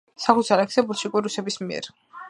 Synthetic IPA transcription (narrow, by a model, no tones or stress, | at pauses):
sakut̪sʰalɛksɛbuɾt̪ʃikʼwiɾusɛbismiɛ̰ɾ